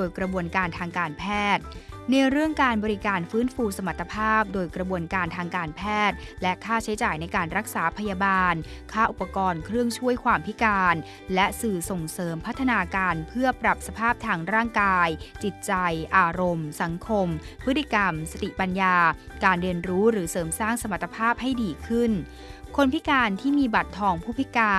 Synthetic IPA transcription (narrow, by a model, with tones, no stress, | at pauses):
doː˧jkɾa˧bu˧ənkaː˧nt̪ʰaː˧ŋkaː˧npʰɛː˥˩t̪̚ | na˧jɾɯ˥˩əŋkaː˧nbɔː˧ɾi˦˥kaː˧nfɯː˦˥nfuː˧sa˧ma˨˩t̪ʰːa˧pʰaː˥˩p̚doː˧jkɾa˧bu˧ənkaː˧nt̪ʰaː˧ŋkaː˧npʰɛː˥˩t̪̚lɛ˦˥kʰaː˥˩t͡ɕʰa˦˥jt͡ɕaː˨˩jna˧jkaː˧nɾa˦˥k̚saː˩˦pʰa˧jaː˧baː˧n | kʰaː˥˩ʔu˨˩pːa˧kɔː˧nkʰɾɯ˥˩əŋt͡ɕʰu˥˩əjkʰwaː˧mpʰi˦˥kaː˧n | lɛ˦˥sɯː˨˩so˨˩ŋsɤː˩˦mpʰa˦˥t̪ʰːa˧naː˧kaː˧npʰɯ˥˩ɐpɾa˨˩p̚sa˧pʰaː˥˩p̚t̪ʰaː˧ŋɾaː˥˩ŋkaː˧jt͡ɕi˨˩t̪̚t͡ɕa˧jʔaː˧ɾo˧msa˨˩˦ŋkʰo˧mpʰɯ˦˥t̪ːi˧˩ka˧msa˧t̪i˨˩pa˧njaː˧ | kaː˧nɾi˧ənɾuː˦˥ɾɯː˩˦sɤː˩˦msaː˥˩ŋsa˧ma˨˩t̪ːa˧pʰaː˥˩p̚ha˥˩jdiː˧kʰɯ˥˩n | kʰo˧npʰi˦˥kaː˧nt̪ʰiː˥˩miː˧ba˨˩t̪ʰːɔː˧ŋpʰuː˥˩pʰi˦˥kaː˧